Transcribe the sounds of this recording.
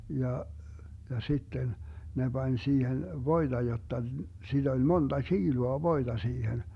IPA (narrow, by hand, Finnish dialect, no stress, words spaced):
jɑ jɑ sitːen ne b̥ɑnʲ siːhen ʋoid̥ɑ jotːɑ sid̥ olʲ mond̥ɑ tʃiːluɑ ʋoid̥ɑ siːhen